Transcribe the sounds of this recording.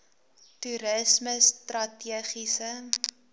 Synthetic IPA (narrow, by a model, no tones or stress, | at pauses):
tuɾəsməstrɐtiəχisə